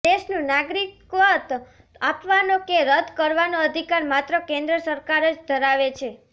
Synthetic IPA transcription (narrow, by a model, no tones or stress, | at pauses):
eʃnũnaɡɾikʋət̪ | apʋanokeɾəd̪ʱkəɾʋanoəd̪ʱikaɾmat̪ɾəkẽnd̪ɾəsəɾkaɾəd͡ʒd̪ʱəɾaʋet͡ʃʰe